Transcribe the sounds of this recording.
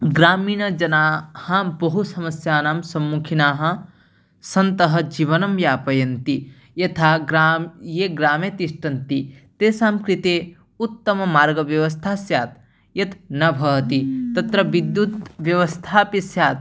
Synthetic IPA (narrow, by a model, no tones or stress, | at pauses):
ɡɾaːmiːnɐd͡ʒɐnaːhɐbɐɦusɐmɐsjaːnaːmsɐmːukʰinaːɦɐ̆ | sɐnt̪ɐɦɐ̆d͡ʒiːʋɐnɐmjaːpɐjɐnt̪i | jɐt̪ʰaːɡɾajeːɡɾaːmet̪iʂʈɐnt̪it̪eːsaːmkɾit̪eː | ut̪ːɐmɐmaːɾɡɐʋjɐʋɐst̪ʰaːsjaːt̪̚ | jɐt̪nɐbʱɐt̪it̪ɐt̪ɾɐʋid̪jut̪ʋjɐʋɐst̪ʰaːpisjaːt̪̚